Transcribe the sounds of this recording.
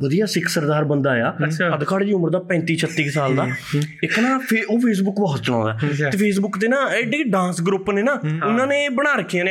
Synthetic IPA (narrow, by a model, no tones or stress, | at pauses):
ʋəd̪ijaːsɪkʰsəɾd̪aːɾbənd̪aːjaːəd̪kʰaːɽd͡ʒiːʊməɾd̪aːpɛ̃ːnt̪iːt͡ʃʰət̪ːiːksaːld̪aːɪkːnaːpʰeoːpʰeːs̬bʊkbɔːt̪t͡ʃəɽ̃ã̰ːnd̪aːeːpʰeːs̬bʊkt̪eːnãːeɖeːɖãːnsɡɾʊpːneːnaːʊnãːneːbəɽ̃aːɾəkʰːijãn